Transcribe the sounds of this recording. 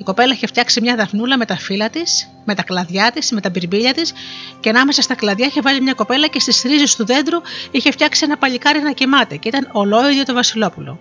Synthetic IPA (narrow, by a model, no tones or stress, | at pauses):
iko̞pe̞lɐiçe̞ft̪çɐksimɲɐðɐfnulɐme̞t̪ɐfilɐt̪is | me̞t̪ɐklɐðʝɐt̪isme̞t̪ɐbiɾbiʎɐt̪isceɐnɐme̞sɐst̪ɐklɐðʝɐiçevɐlimɲɐko̞pe̞lɐce̞st̪isθɾizest̪uðe̞nd̪ɾuiçe̞ft̪çɐksie̞nɐpɐʎikɐɾinɐcimɐt̪eceit̪ɐnolo̞iðjot̪o̞vɐsilo̞pulo̞̰